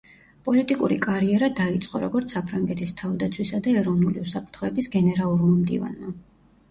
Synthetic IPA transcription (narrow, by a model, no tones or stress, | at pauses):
pʼɔlit̪ʼikʼuɾikʼaɾiɛɾad̪ait̪sʼqʼɔɾɔɡɔɾt̪sʰapʰɾaŋɡɛt̪ʰist̪ʰavd̪at̪sʰwisad̪aɛɾɔvnuliusapʰɾt̪ʰχɔɛbisɡɛnɛɾalˠuɾmamd̪ḭva̰nma